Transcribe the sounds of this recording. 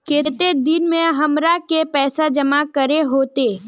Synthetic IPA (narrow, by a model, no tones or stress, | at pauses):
keːt̪ed̪ɪnmẽɦɐmɾakepɛːsad͡ʒɐmakəɾeɦoːt̪eː